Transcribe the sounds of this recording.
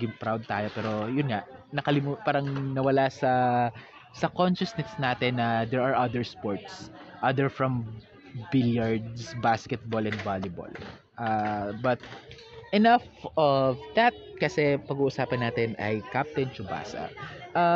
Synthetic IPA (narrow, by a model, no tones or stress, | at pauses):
ɡɪŋpɾawd̪̚t̪aːjopɛːɾo̞jʊnŋanɐkɐlɪmupaːɾɐŋnɐwɐlasɐ | sɐkonʃɐsnɛsnaːt̪ɛnːɐd̪ɛɹɐɹʔɐd̪ɛɹspoɹt̪sʔɐd̪ɛɹfɹɐm | bɪljaɹd̪sbaskɛt̪̚bolɛnd̪valjʊbo̰l | ʔabɐt̪̚ | ʔɛnɐfɔvd̪ɐt̪̚kɐsɛpɐɡuːʔʊsaːpɐnːaːt̪ɛnɐ̰jkap̚t̪ɛnt͡ʃʊba̰ːsɐ̰ʔa